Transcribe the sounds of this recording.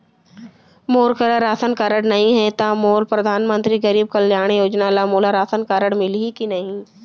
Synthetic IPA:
moːɾkəɾaɾaːsənkaːɾəɽnɐɦĩɦɛt̪amoːɾpɾɐd̪ʱaːnmə̃nt̪ɾiɡɐɾiːb̚kɐljaːɽ̃joːd͡ʒnalamoːlaɾaːsənkaːɾəɽ̃mɪlikinɐɦĩ

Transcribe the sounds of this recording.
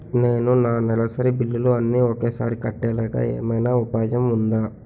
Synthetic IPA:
neːnunaːnɛlɐsɐɾibilːuluɐnːiokeːsa̰ːɾikɐʈːɛːlaːɡa̰ːḛːmɐjnaːupaːd͡ʒɐmund̪aː

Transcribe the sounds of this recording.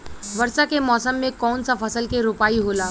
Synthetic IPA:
ʋɐɾsakemɔːsəmːẽkɔːnsafɐsəlkeɾʊpaːiɦoːlaː

